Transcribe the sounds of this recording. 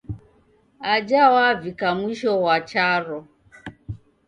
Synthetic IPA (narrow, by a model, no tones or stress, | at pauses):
ad͡ʒawavikamuʃɔwat͡ʃaɾɔ